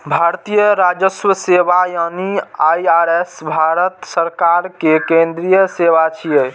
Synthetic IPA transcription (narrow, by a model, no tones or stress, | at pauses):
bʱaɾt̪ijəɾad͡ʒəswəsebajaniajaɾesbʱaɾət̪səɾkaɾkekẽnd̪ɾijəseβat͡ʃʰije